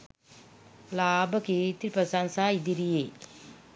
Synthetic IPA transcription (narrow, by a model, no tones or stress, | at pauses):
laːbɐkit̪iɾpɐsansaid̪iɾije